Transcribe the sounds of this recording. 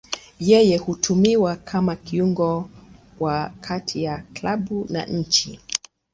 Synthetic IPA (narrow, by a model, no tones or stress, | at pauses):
jɛjɛhutʰumiwakʰamakiuŋɡɔ | wakʰatʰijaklaɓuna̰ɲ̩t͡ʃi